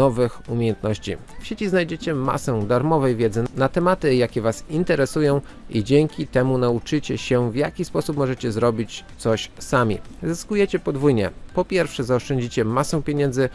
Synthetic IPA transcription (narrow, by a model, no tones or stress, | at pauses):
ɔvɘxumʲejɛnt̪nɔɕt͡ɕḭfɕet͡ɕiznajd͡ʑet͡ɕɛma̰sɛ̃d̪aɾmɔvɛjvʲjɛd̪zɘnat̪ɛmat̪ɘjakʲɛvasint̪ɛɾɛsujɔ̃w̃ | id͡ʑeŋkʲit̪ɛmunaut͡ʂɘt͡ɕɛɕɛvjakʲispɔsupmɔʐɛt͡ɕɛzɾɔbʲit͡ɕt̪sɔɕsamʲḭzɘskujɛt͡ɕɛpɔd̪vujɲɛ̰pɔpʲjɛɾfʂɛzaɔʂt͡ʂɛɲd͡ʑit͡ɕɛmasɛ̃pʲjeɲɛnd̪zɘ